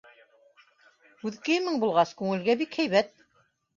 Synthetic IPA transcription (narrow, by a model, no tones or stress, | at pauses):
ʉðkɘmɘŋbulˠʁɑskʉŋɘ̆lɡæbikhæjβæt̪̚